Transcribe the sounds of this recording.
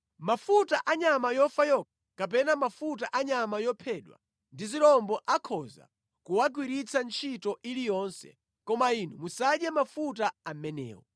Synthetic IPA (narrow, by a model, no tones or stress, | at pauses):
mafutaʔaɲamajɔfajɔk̚ʰḁkap̬ɛnamafut̬aʔaɲamajɔpʰɛɗwa̰ | ndiziɾɔmbɔʔakʰɔza̰ | kuwaɡwiɾit͡sʰant͡ʃʰitɔʔilijɔnsɛ̰ | kɔmainumusaɗjɛmafut̬aam̩mɛnɛ̰ːwɔ̰